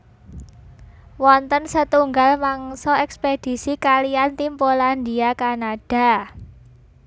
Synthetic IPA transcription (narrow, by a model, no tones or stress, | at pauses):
wɔnt̪ənsət̪uŋɡalmaŋsɔɛksped̥i̤sikalijant̪impolandiakanad̥a̤